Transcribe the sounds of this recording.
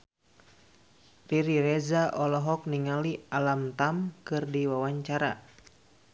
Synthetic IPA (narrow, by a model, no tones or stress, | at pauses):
riɾiɾɛzaʔɔlɔɦɔk̚niŋalialamt̪amkɨrdiwawaɲt͡ʃaɾa